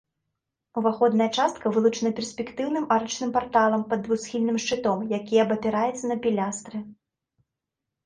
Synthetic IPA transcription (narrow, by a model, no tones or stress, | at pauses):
uvaxɔd̪nɐjɐt͡ʂast̪kɐvɨlˠut͡ʂɨnɐpʲɛrsʲpʲɛkt̪ɨwnɨmaɾɨt͡ʂnɨmpart̪alˠɐmpɐd̪ːvuxsxʲilʲnɨmʂt͡ʂɨt̪ɔmjakʲijɛbɐpʲɛɾajɛt̪sːɐnɐpʲilʲast̪ɾɨ